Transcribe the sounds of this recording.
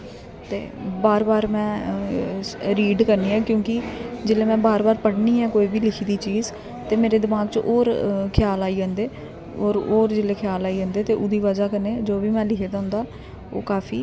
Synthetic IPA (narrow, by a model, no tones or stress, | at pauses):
t̪ḛːbaːɾbaːɾmɛ̃ː | ɾiːɖkəɾniːɛːkjõːkɪd͡ʒɪleːmɛ̃ːbaːɾbaːɾpəɽniːɛːkoːiːbiːlɪkʰiːd̪iːt͡ʃiːz | t̪eːmeːɾeːd̪ɪmaːɡt͡ʃʔoːɾkʰjaːlaːiːə̃ːnd̪eː | ɾoːɾd͡ʒɪleːkʰɪjaːlaːiːə̃ːnd̪eːt̪eːʔʊd̪iːʋəd͡ʒaːkəneːd͡ʒoːʋiːmɛ̃ːlɪkʰeːd̪aːɦʊ̃nd̪aː | o̰ːkaːpʰḭː